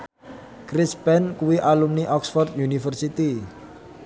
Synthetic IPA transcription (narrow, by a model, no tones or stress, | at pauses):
kɾispɛnkuwiʔalumniʔɔksfɔrt̪junifərsit̪i